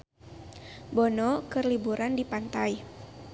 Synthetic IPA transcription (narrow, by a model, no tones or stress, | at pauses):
bɔnɔkɨrlibuɾandipant̪aj